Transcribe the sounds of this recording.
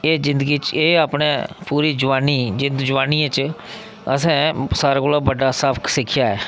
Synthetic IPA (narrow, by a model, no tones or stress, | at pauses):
eːd͡ʒɪnd̪ɡiːt͡ʃeːaːpneːpuːɾiːd͡ʒʊʋaːniːd͡ʒɪnd̪d͡ʒʊʋaːniːãt͡ʃ | ə̰sɛ̃ːsaːɾaːkoːlaːbəɖaːsəpʰksɪkʰːjaːɛː